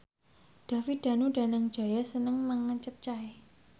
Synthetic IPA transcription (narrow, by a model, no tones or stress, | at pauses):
ɖ̥a̤fid̪̥a̤nuɖa̤naŋ̥d͡ʒ̥a̤jasənəŋməŋəɲt͡ʃəp̚t͡ʃae